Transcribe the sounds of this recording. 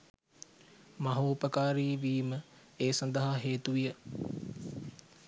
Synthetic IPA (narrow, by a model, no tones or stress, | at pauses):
mɐɦoːpəkaːɾiːʋiːmə | eːsɐnd̪əɦaɦeːt̪uʋijə